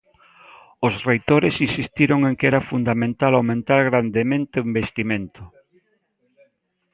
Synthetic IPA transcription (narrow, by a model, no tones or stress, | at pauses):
osrejt̪oɾesinsist̪iɾoŋeŋkɛɾafund̪amẽnt̪alawmẽnt̪alɣɾand̪emẽnt̪eimbest̪imẽnt̪ʊ